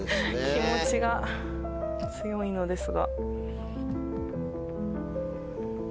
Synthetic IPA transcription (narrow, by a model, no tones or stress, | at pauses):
kʲʰimo̞t͡ɕiɡa | t͡sɨjo̞ino̞d̪e̞sɨɡa̰